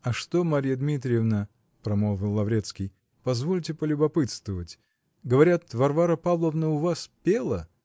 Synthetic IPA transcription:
ɐʂt̪omaɾʲijəd̪mʲit̪ɾʲɪjɪvnə | pɾɐmolˠvʲɪlˠːɐvɾʲet̪skʲij | pɐzvo̞lʲtʲɪpəlʲʊbɐpɨt̪st̪vəvətʲ | ɡəvɐɾʲat̪vɐrvaɾəpavlˠəvnəʊvaspʲelˠə

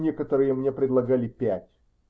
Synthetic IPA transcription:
nʲekət̪əɾɨjəmnʲe̞pɾʲɪd̪lˠɐɡalʲɪpʲætʲ

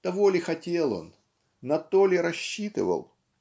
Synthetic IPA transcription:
t̪ɐvolʲɪxɐtʲelˠo̞̰n | nɐt̪olʲɪɾɐɕːit̪ɨ̰və̰lˠ

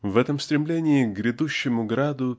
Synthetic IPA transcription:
vɛt̪əmst̪ɾʲɪmlʲenʲɪɪɡɡɾʲɪd̪uɕːɪmʊɡɾad̪ʊ

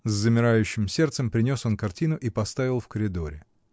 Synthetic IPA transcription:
zːəmʲɪɾajʉɕːɪmsʲe̞rt̪səmpɾʲɪnʲo̞so̞nkɐrtʲinʊʔipɐst̪avʲɪlˠfkəɾʲɪd̪o̞ɾʲɪ

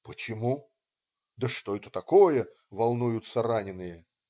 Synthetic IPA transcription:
pət͡ɕɪmu | d̪əʂt̪oɛt̪ə̥t̪ɐkojə | vɐlˠnujʊt̪səranʲɪnːɨjə

